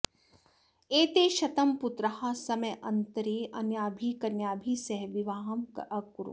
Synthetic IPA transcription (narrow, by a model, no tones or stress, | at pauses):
eːt̪eːʃɐt̪ɐmput̪ɾɐhasɐmɐjʔɐnt̪ɐɾeːʔɐnjaːbʱiːkɐnjaːbʱiːsɐɦʋiʋaːɦɐmɐkuɾṵ